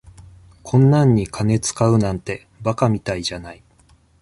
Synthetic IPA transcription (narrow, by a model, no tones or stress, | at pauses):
kʰõ̞nːãɲ̟ːikʰane̞t͡sɨ̥kaɯ̟nãnt̪e̞ | bakamʲit̪aiʑanai